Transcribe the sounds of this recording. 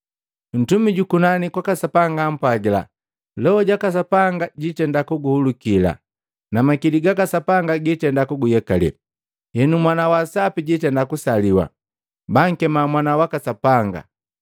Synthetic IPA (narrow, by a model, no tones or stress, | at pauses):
n̩tumiɟukunanikwakasapaŋɡam̩paɡila̰ | lɛhɔɟakas̬apaŋɡaɟitɛndakuɡuhulukila̰ | namakiliɡakasapaŋɡaɡitɛndakuɡujɛkalɛ̰ | hɛnumwanawasapiɟitɛndakusaliwa̰ | baŋ̩kɛmamwanawakasapaŋɡa̰